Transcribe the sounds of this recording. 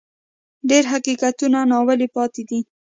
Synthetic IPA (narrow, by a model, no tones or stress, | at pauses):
ɖeɾɦaqiqat̪unanɑwəlipɑt̪ed̪i